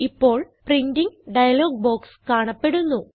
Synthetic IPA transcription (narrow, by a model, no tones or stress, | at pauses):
ipːo̞ːɭprindiŋɖɐjɐlo̞ːɡ̚boːkskaːɳɐpːe̞ɽunːu